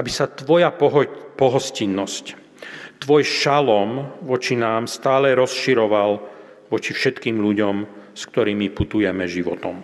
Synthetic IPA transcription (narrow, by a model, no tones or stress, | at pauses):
abisat̪ʋɔjaɦpɔɦɔscinːɔsc | t̪ʋɔjʃalɔmʋɔt͡ʃinaːmst̪aːlɛɾɔsʃiɾɔʋal | ʋɔt͡ʃifʃɛt̪kiːmʎuɟɔmskt̪ɔɾiːmiput̪ujɛmɛʒiʋɔt̪ɔm